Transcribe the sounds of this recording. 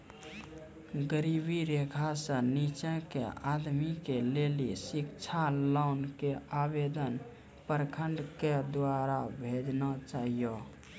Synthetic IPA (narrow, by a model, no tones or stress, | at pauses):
ɡəɾibiɾekʰasə̃nit͡ʃɛ̃kḛʔad̪mikelelisikt͡ʃʰalɔʊnkeabed̪ən | pəɾkʰəɳɖked̪waɾabʱed͡ʒnat͡ʃaɦijo